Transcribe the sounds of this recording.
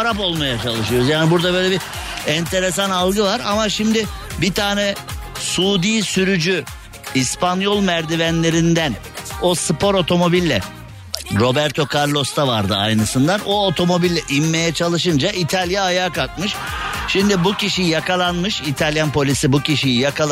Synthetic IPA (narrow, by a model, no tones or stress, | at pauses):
aɾapo̞lˠmajat͡ʃʰalˠɯʃɯjo̞ɾuzjaːnibuɾd̪abøjlʲebi | ɛnt̪ʰe̞ɾes̬analˠɡɯvaɾa̰maʃimd̪ɪbit̪ʰaːnɛsuːd̪iːsyɾyd͡ʒy | ispʰanjo̞lˠmæɾd̪ivænlʲe̞ɾind̪æn | o̞sɯpʰo̞ɾo̞t̪ʰo̞mo̞bilʲːɛ̰ | ɾo̞bæɾt̪ʰo̞kʰaɾlˠo̞st̪ʰavaɾd̪ɯa̰jnɯsɯnd̪anoot̪ʰo̞mo̞bilʲːɛʔimːe̞jɛt͡ʃʰalˠɯʃɯnd͡ʒaʔit̪ʰalʲjaːjaːkak̪̚mɯʃ | ʃimd̪ibuciʃijjakʰalˠanmɯʃit̪ʰalʲjanpʰo̞lʲisibuciʃijijakʰa